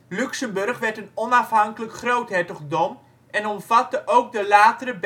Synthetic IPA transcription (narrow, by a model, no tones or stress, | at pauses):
lʉksəmbɵrχʋɛɹtənɔnɑfɦɑŋkələkχrowtɦɛɹtəχdɔm | ʔɛnɔmv̥ɑtəʔowk̚dəlaːtərəb